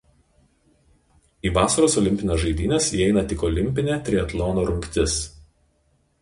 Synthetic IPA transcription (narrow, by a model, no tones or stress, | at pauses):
iːʋɑːsɐɾoːsɔlʲɪmʲpʲɪnʲesʒɐɪd̪ʲiːnʲesjiːɛɪnɐt̪ʲɪkɔlʲɪmʲpʲɪnʲet̪ʲɾʲɪɛt̪lˠɔːnoːɾʊŋʲkʲt̪ʲɪs